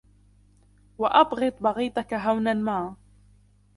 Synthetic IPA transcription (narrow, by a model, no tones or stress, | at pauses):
wɑʔɑbɣɨt̪ˤbɑɣiːt̪ˤɑkaɦawnanmaː